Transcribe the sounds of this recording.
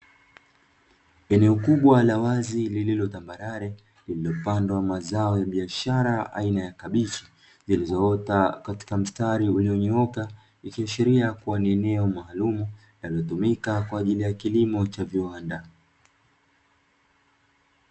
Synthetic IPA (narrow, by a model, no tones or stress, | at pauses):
ɛnɛɔkuɓwalawazilililɔtambaɾaɾɛ | lililɔpandwamazaɔjaɓiaʃaɾaa̰inajakaɓit͡ʃi̥ | zilizɔɔtakati̥kam̩staɾiuliɔɲɛɔka | ikiaʃiɾiakuwaniɛnɛɔmaːlumu | naliɔtumikakwaːʄilijakilimɔt͡ʃaviwanda